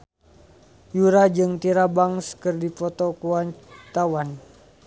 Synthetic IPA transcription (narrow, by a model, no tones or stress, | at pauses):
juɾad͡ʒɨŋt̪iɾabaŋskɨrdifɔt̪ɔkuwant̪awan